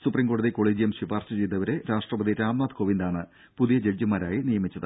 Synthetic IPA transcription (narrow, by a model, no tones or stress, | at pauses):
suprimɡo̞ɽɐðiko̞ːɭeːd͡ʑijɐmɕibaːrɕɐt͡ɕejd̪ɐʋɐɾe̞ɾaːʂʈrɐʋɐd̪iɾaːmnaːd̪koʋind̪aːɳɨ | puðijɐd͡ʑed͡ʑimaːɾaːjinijɐmit͡ɕːɐðɨ